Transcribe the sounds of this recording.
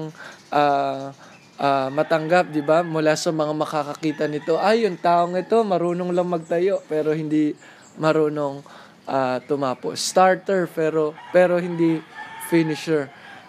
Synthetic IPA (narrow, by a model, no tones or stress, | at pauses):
ŋʔaː | ʔaːmɐt̪ɐŋɡap̚d̪ɪbamʊlaːsɐmɐŋamɐkakɐkiːt̪ɐnɪt̪o̞ʔɐjːʊŋt̪aːʔo̞ŋɪt̪o̞mɐɾuːnoŋlɐŋmɐɡ̚t̪ɐjo̞ʔpɛːɾo̞hɪnd̪i | mɐɾoːno̞ŋ | ʔaːt̪ʊmaːpoʔst̪aɹt̪ɛɹpɛːɾo̞pɛːɾo̞hɪnd̪ifinɪʃɛɹ